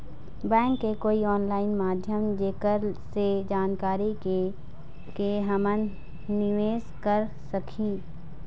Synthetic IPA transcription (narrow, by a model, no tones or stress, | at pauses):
bɛ̃ːŋkːekoːiɔːnlaːɪnmaːd̪ʱjəmd͡ʒeːkəɾsed͡ʒaːnkaːɾike | keɦɐmən | nɪʋeːzkəɾ | sɐkʰiː